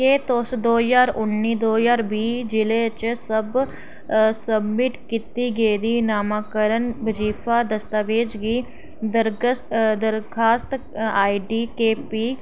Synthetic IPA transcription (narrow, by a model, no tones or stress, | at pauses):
keːt̪oːsd̪oːjaːɾʊnːiːd̪oːjaːɾbiːd͡ʒɪleːt͡ʃsəb | səbmɪʈkit̪iːɡeid̪iːnaːmãːkəɾənbəd͡ʒiːpʰaːd̪əst̪aːʋeːd͡ʒɡiː | d̪əɾd̪əɾkʰaːst̪ | aːiɖiːkeːpiː